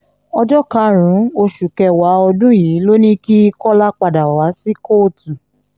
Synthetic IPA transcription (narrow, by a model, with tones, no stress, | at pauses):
ɔ˧d͡ʒɔ˦ka˧˦ɾ̃ũ˨˦o˧ʃu˨kɛ˧wa˨˦ɔ˧dũ˦jiː˨˦lo˦nĩ˦ki˦i˧˦kɔ˦la˦k͡pa˧da˨wa˨˦si˦ko˦˨tu˨